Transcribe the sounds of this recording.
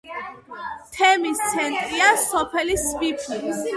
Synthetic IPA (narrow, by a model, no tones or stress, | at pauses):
t̪ʰɛmist̪sʰɛnt̪ʼiasɔpʰɛlispʼipʰlis